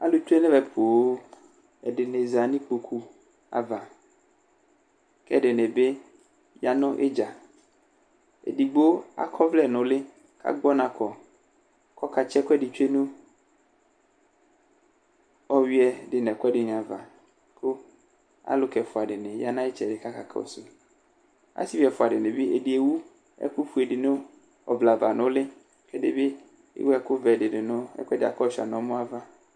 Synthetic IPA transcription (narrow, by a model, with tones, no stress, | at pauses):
a̰˦lʊ˨t͡ʃu˦e˦nɛ̃˦vɛ˨pʰo˨˦ | ɛ˨ɖɪ˨ne˨za˨nĩ˦k͡po˨kʰu˦ | a̰˨va˨ | kɛ˦˨ɖɪ˨nɛ̃˨be˦ | ja˦nʊ̃˦ʔe˦d͡ʒa˨ | ḛ˨di˨ɡ͡bo˦a̰˦kʰɔ˦vlɛ˦˨nʊ̃˨lɪ˦ | ka̰˦ɡ͡bɔ˦nã˨kɔ˨ | kɔ˦ka˨t͡ʃɛ˦kɔ˦ɛ˦˨dɪ˨t͡ʃe˦nũ˦ | ɔ˦wi˦ɛ˨dɪ˨nɛ̃˨kɛ˦dɪ˨ɲ˨ã˨va˨ | kʰʊ˦ | a̰˦lʊ˦kɛ˨fʊ˨a˨dɪ˨nɪ̃˨ja˦nã˦ɪ˦t͡ʃɛ˨dɪ˨ka˦ka̰˦kʰa̰˦˨o̰˨sʊ˨ | a̰˦si˦vi˨˦ɛ˨fʊ˨a˨dɪ˨nɪ̃˨bɪ˦ḛ˨dɪ˨e˨wu˦ | ɛ̰˦kʊ˦fu˨e˨dɪ˨nʊ̃˦ | ɔ̰˨vla˨va˨nʊ̃˦lɪ˦ | kɛ˦dɪ˦bɪ˦ | ɪ̰˦wɛ˦kʊ˦vɛ˨dɪ˨dɪ˨nʊ̃˦ɛ̰˦kʷɛ˦dɪ˨a̰˨kɔ˦˨ʃa̰˨nɔ̃˨˦mʊ̃˦a˦va˦